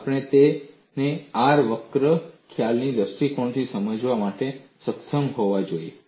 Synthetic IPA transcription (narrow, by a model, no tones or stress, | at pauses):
apəɳ̃et̪e | neaɾʋəkɾəkʰjalnid̪əsʈikoɳt̪ʰisəməd͡ʒʋamaʈesəksəmɦoʋad͡ʒoie